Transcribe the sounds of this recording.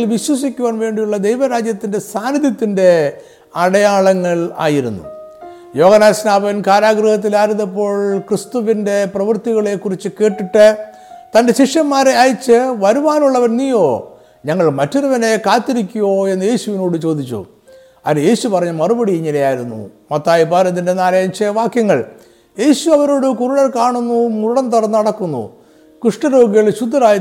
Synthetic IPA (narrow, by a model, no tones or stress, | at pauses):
lʋiɕwɐs̬ikʲːuʋaːnʋe̞ːɳɖijuɭːɐd̪ejʋɐɾaːd͡ʑjɐt̪ːinde̞saːnid̪jɐt̪ːinde̞ | ɐɽɐjaːɭɐŋːɐɭa̰ːjiɾunːṵ | jo̞ːɣɐnaːsnaːbɐnkaːɾaːɡɾɨhɐt̪̬ːilaːɾunðepːo̞ːɭkrist̪uʋinde̞prɐʋɐrt̪iɣɐɭe̞kːurit͡ɕːɨke̞ːʈːiʈːɨ | t̪ɐnde̞ɕiʂjɐmːaːɾeaːjit͡ɕːɨʋɐɾuʋaːnuɭːɐʋɐɾniːjo̞ː | ɲɐŋːɐɭmɐtːuɾɐʋɐne̞kaːt̪ːiɾikʲːujo̞ːe̞nːɨje̞ːɕuʋino̞ːɽɨt͡ɕo̞ːd̪it͡ɕːṵ | ɐɾje̞ːɕupɐrɐɲːumɐrubɐɽijiɲːɐlejaːjiɾunːṵmɐt̪ːaːjipaːɾɐnːinde̞naːlɐjɐɲt͡ɕːɐʋaːkjɐŋːɐɭ | je̞ːɕuɐʋɐɾoːɽɨkuruɽɐlkaːɳunːumuɽɐnt̪ɐrɐnːɨɐɽɐkːunːṵ | kruʂʈɐɾo̞ːɡiɣɐɭɕud̪ʱːɐɾaːj